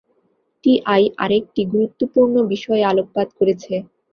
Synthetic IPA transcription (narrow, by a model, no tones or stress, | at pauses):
ʈiʔajʔa̰ɾek̚ʈiɡuɾut̪ːopuɾnobiʃɔealok̚pad̪koɾet͡ɕʰe